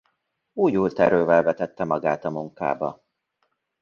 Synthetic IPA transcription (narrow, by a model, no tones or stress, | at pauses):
uːjuːlt̪ɛɾøːvɛlvɛt̪ɛt̪ːɛmɒɡaːt̪ɒmuŋka̰ːbɒ̰